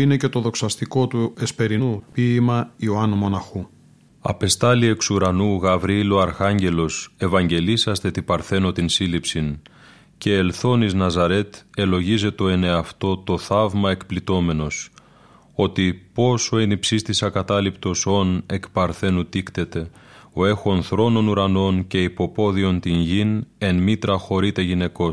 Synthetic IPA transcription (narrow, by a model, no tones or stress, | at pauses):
ine̞ce̞t̪o̞ðo̞ksɐst̪iko̞t̪uespe̞ɾinupiːmɐioɐnumo̞nɐxu | ɐ̰pe̞st̪ɐlie̞ksuɾɐnuɣɐvɾiiloɐɾxɐɲɟe̞lo̞se̞vɐɲɟe̞lisɐst̪e̞t̪ipɐɾθe̞no̞t̪insilipsin | ce̞ːlθo̞niznɐzɐɾe̞t̪e̞lo̞ʝize̞t̪o̞e̞ne̞ɐft̪o̞t̪o̞θɐvmɐe̞kplit̪o̞me̞no̞s | o̞t̪ipo̞so̞enipsist̪isɐkɐt̪ɐlipt̪o̞so̞ne̞kpɐɾθe̞nut̪ikt̪e̞t̪e̞o̞e̞xo̞nθɾo̞no̞nuɾɐno̞nce̞ipo̞po̞ðio̞nt̪inʝine̞nmit̪ɾɐxo̞ɾit̪e̞ʝine̞ko̞